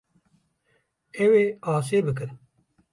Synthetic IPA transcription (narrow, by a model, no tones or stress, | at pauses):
ɛweːaːs̬eːbɨk̬ɨn